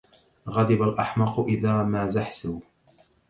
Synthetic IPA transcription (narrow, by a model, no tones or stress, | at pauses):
ɣɑd̪ˤɪbalʔaħmɑqʊʔɪðaːmaːzaħsuː